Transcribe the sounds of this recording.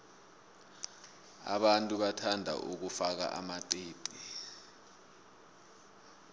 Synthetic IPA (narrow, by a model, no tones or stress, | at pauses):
a̰ɓantʼuɓatʰandʱa̰ʔuk̬ufak̬a̰ʔa̰maǃeːǃi